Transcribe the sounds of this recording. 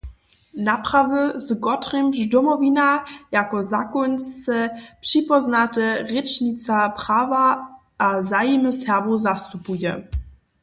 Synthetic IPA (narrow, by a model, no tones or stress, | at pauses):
napʁ̥avəzɡɔtʁimʒdɔmɔvinajakɔzakɔnst͡səpʂipɔznatəʁɛt͡ʃnit͡sapʁ̥aːva | ʔazajiməshɛʁvozastupujɛ̰